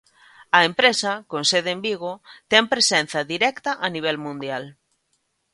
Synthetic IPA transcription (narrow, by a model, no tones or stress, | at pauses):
ɐempɾesɐkõnseðembiɣ̞ot̪ɛmŋpɾesɛn̟θɐðiɾɛkt̪ɐʔɐniβ̞ɛlmũnd̪jal